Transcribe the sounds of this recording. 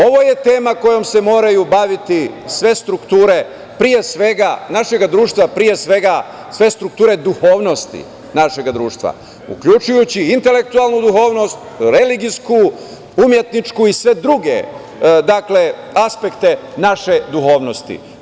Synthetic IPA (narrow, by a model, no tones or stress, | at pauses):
o̞ʋo̞je̞t̪e̞ːmako̞jo̞mse̞mo̞ːɾajubaʋit̪isʋe̞st̪ɾukt̪uːɾe̞ | pɾije̞sʋe̞ɡanaʃe̞ɡad̪ɾuːʃt̪ʋapɾije̞sʋe̞ɡa | sʋe̞st̪ɾuk̚t̪uːɾe̞d̪uxo̞ːʋno̞st̪ḭ | naʃe̞ɡad̪ɾuːʃt̪ʋa̰ | ṵkʎut͡ʃujut͡ɕiint̪e̞le̞k̚t̪ualˠnud̪uxo̞ːʋno̞st̪ɾeliɡisku | umje̞t̪nit͡ʃkuisʋe̞d̪ɾuɡe̞̰ | d̪akle̞ | aspe̞kt̪e̞naʃe̞d̪uxo̞ːʋno̞st̪ḭ